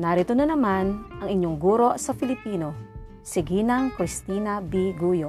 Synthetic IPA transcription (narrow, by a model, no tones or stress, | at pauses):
naɾit̪onɐnɐmanʔɐŋɪɲːoŋɡuːɾo̞ʔsɐfɪlɪpiːno̞ | sɪɡiːnɐŋkɾɪst̪inɐbiɡuːjo